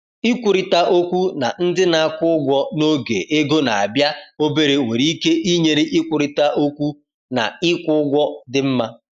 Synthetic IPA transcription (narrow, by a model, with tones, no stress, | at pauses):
ɪ˦kʷu˨ɾi˨ta˦ʔo˦kʷu˦na˨n̩˦dɪ˦na˨a˦˨kʷʊ˦ɡʷɔ˦no˦ɡḛ˨ʔe˦ɡo˦na˨a˨bja˦o˦be˦ɾe˨ŋʷḛ˨ɾi˦i˦ke˦ʔi˦ɲe˨ɾi˦ʔɪ˦kʷʊ˨ɾi˨ta˦ʔo˦kʷu˦ | na̰˨ɪ˦kʷʊ˦ɡʷɔ˦dɪ˦m̩˦ma˦